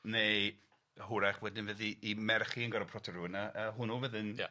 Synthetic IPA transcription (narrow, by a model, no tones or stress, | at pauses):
ne | hʊɾaχwɛdɪnvəðiːmɛrχiənɡɔɾɔpʰrɔtʰəɾunaʔəːɦʊnuvəðɪnja